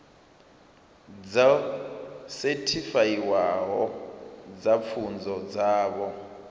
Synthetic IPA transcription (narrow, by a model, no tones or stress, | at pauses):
d͡za | sɛtʰifajiwaɦɔ | d͡zap̪fʰund͡zʱɔd͡zaːɓɔ